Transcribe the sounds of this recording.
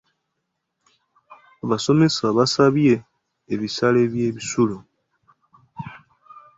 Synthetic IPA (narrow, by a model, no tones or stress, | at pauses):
aβaso̞me̞saβasaβje̞ː | βisale̞βje̞ːβisulo